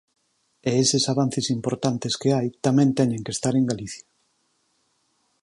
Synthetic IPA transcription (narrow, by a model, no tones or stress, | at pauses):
eesesaβan̟θesimpoɾt̪ant̪eskeajt̪amɛ̃nt̪ɛɲẽŋkest̪aɾeŋɡaliθja